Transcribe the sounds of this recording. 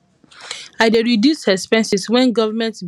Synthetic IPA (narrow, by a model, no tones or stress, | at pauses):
aɪdeɹidjushɛspɛ̃nsiswɛ̃nɡɔvəmɛ̃ntb